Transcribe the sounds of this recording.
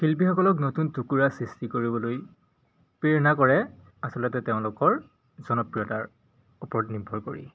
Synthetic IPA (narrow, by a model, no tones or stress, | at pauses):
kilp̬ixɔkɔlɔk̬notuntukuɹasɹistikoɹibɔloj | piɹnakɔɹɛ | asɔlɔtɛteʊ̃lʊkɔɹ | zɔnɔpɹijɔtaɹ | upɔɹɔtnibʱɔɹkoɹḭ